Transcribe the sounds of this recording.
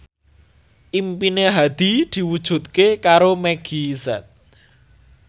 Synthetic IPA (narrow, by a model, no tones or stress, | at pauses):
ʔimpineɦad̪̥i̤d̪̥i̤wud̥ʒ̥ṳt̪̚kekaɾomɛɡ̥i̤sɛt̪̚